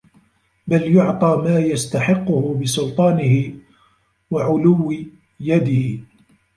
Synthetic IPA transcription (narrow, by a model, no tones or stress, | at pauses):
baljʊʕt̪ˤɑːmaːjast̪aħɪqːʊhʊbɪsʊlt̪ˤɑːnɪhɪ | waʕʊlʊwːɪ | jad̪ɪhɪ